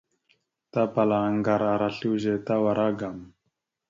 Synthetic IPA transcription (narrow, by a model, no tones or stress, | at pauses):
t̪apalaŋɡaɾaɾaɬiwʑet̪awaɾaɡam